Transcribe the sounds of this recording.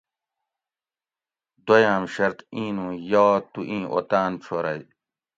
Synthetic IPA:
d̪ojaːmɕɐɾt̪ĩːnũːjaːt̪uʔĩːʔo̰t̪aːnt͡ɕʰoːɾɐj

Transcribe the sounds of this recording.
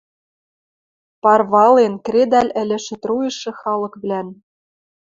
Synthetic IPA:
pɑrβɑlenkred̪ɑlʲɘ̆lʲɘ̆ʃɘ̆t̪rujɤ̆ʃɤ̆xɑlɤ̆kβlæn

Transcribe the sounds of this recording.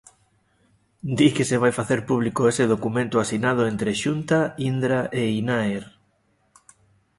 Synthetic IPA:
d̪ikeseβ̞ajfaθeɾpuβ̞likoeseðokumẽnt̪ʊasinað̞ʊent̪ɾeʃunt̪aind̪ɾaʔeinaeɾ

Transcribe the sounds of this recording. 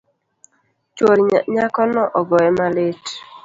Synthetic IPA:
t͡ʃoɾɲakɔnɔʔɔɡɔɛmalet

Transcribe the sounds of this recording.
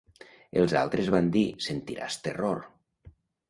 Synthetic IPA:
elˠza̰lˠt̪ɾezβand̪isent̪iɾa̰st̪eroɾ

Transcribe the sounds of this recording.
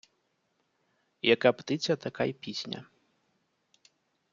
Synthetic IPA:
jɐkapt̪ɪt͡sʲɐt̪ɐkajpʲisʲnʲɐ̰

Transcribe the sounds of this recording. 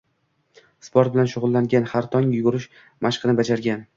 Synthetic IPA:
spʰoɾt̪bɪlanʃʊʁʊlˠːaŋɡʲanhaɾt̪ʰɒŋjʊɡʊɾɪʃ | maʃqʰɨnɪbad͡ʒaɾɡʲan

